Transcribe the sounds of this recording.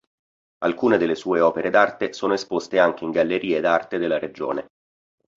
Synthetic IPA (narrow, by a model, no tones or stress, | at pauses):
alkuːned̪elːesuːeɔːpeɾed̪art̪esoːnoespost̪eaŋk̟eiŋɡalːeɾiːed̪art̪ed̪elːaɾed͡ʒo̰ːne